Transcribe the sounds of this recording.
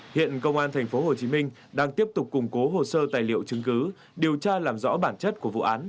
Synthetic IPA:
hḭ˧˨ənkə˧wŋ͡mʔaː˧nt̪ʰa˨˩jŋ̟fo˨˦ɦo˨˩t͡ɕi˨˦mï˧ŋ̟ | ɗaː˧ŋt̪i˦˥əp̚t̪ʊ˨˩k͡p̚kʊ˨˩ŋ͡mko˨˦ɦo˨˩səː˧t̪aː˨˩jlḭ˧˨əwt͡ɕɨ˨˦ŋkɨ˨˦ | ɗi˨˩əwt͡ɕaː˧laː˨˩mzɔ̰˧˥ɓaː˧˩nt͡ɕə˦˥t̚ku˧˩əvṵ˧˨ʔaː˨˦n

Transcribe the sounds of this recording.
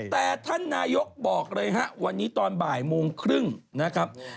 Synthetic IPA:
t̪ɛː˨˩t̪ʰa˥˩nːaː˧jo˦˥k̚bɔː˨˩k̚ɾɤː˧jɦa˦˥ʔwa˧nːiː˦˥t̪ɔː˧nbaː˨˩jmoː˧ŋkʰɾɯ˥˩ŋna˦˥kʰɾa˦˥p̚

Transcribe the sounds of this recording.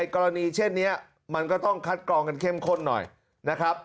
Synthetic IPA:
jkɔː˧ɾa˧niː˧t͡ɕʰe˥˩nːi˦˥ɐ | ma˧nkɔː˥˩t̪ɔ˥˩ŋkʰa˦˥t̪̚klɔː˧ŋka˧nkʰe˥˩mkʰo˥˩nːɔ̰˨˩j | na˦˥kʰɾa˦˥p̚

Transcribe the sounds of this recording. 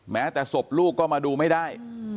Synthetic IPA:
mɛː˦˥t̪ɛː˨˩so˨˩p̚luː˥˩kkːɔː˥˩maː˧duː˧ma˥˩jdaː˥˩j

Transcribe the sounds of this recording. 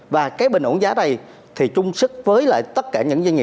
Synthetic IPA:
vaː˨˩kaː˨˦jɓï˨˩ŋ̟ʔu˧˩˦nzaː˨˦ɗə˧j | t̪ʰi˨˩t͡ɕʊ˧ŋ͡msɨ˦˥k̚vəː˨˦jla̰ː˧˨jt̪ə˦˥t̚kaː˧˩ɲɨ̰˧˥ŋza˧ŋḭ˨˩

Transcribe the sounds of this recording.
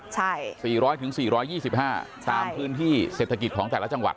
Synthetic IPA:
t͡ɕʰa˥˩jsiː˨˩ɾɔː˦˥jt̪ʰɯ˩˦ŋsiː˨˩ɾɔː˦˥jːiː˥˩si˨˩p̚haː˥˩t͡ɕt̪aː˧mpʰɯː˦˥nt̪ʰiː˥˩seː˨˩t̪ʰːa˧ki˨˩t̪̚kʰɔː˩˦ŋt̪ɛː˨˩la˦˥t͡ɕa˧ŋwa̰˨˩

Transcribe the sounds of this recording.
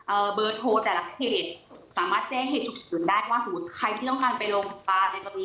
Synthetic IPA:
ʔɤː˨˩bɤː˧t̪ʰoː˧t̪ɛː˨˩la˧˥kʰeː˨˩t̪̚saː˩˦maː˥˩t̪̚t͡ɕɛː˧˩ŋɦeː˨˩t̪̚ːʰu˧˩k̚sɯː˨˩˦ndaː˥˩jʰwaː˥˩so˨˦mu˦˥t̪̚kʰa˧jt̪ʰiː˥˩t̪ɔ˥˩ŋkaː˧npa˧jlo˧ŋ˨˩˦paː˧nː˧jt̪ɔ˧ŋni˦˥

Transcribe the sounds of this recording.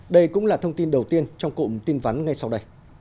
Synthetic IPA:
ɗə˧jkʊ̰˧˥ŋ͡mlaː˨˩t̪ʰə˧wŋ͡mt̪i˧nɗə˨˩wt̪i˧ənt͡ɕɔ˧wŋ͡mkṵ˧˩t̪i˧nva˨˦nŋa˧jsa˧wɗə˧j

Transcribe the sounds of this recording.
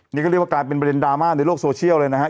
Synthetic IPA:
niː˦˥k̚ːwa˥˩˧laː˧jp̬e˧npɾde˧ndaː˧maː˥˩na˧jloː˥˩k̚soː˧t͡ɕʰi˥˩əwlɤː˧jna˦˥kʰa˦˥

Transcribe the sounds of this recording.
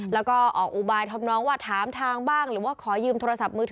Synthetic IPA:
lɛː˦˥wkɔː˥˩ʔɔː˨˩k̚ʔuː˨˩baː˧jt̪ʰa˧mnɔː˦˥ŋwaː˥˩t̪ʰaː˩˦mt̪ʰaː˧ŋbaː˥˩ŋɾɯː˩˦waː˥˩kʰɔː˩˦jɯː˧mt̪ʰoː˧ɾa˧sa˨˩p̚mɯː˧t̪ʰː

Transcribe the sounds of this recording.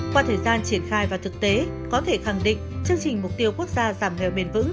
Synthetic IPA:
kwaː˧t̪ʰəː˨˩jzaː˧nt͡ɕi˧˩ənxaː˧jvaː˨˩t̪ʰɨ˨˩k̚t̪e˨˦ | kɔ˨˦t̪ʰe˧˩xa˧˩ŋɗḭ̈˧˨ŋ̟t͡ɕɨ˧əŋt͡ɕï˨˩ŋ̟mʊ˨˩k͡p̚t̪i˧əwku˦˥ək̚zaː˧zaː˧˩mhɛ̰˧˩˨wɓe˨˧˩nvɨ̰˧˥ŋ

